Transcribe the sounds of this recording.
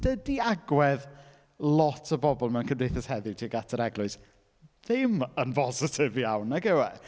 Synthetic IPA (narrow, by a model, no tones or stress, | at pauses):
d̥ədiaɡwɛð | lˠɔtʰəbɔbɔlˠmɛwnkʰəndejθɛshɛðɪdʰiɡatʰəɾɛɡlˠʊɨs | ðɪmənvɔzɪtʰɪviawnːaɡɛwɛ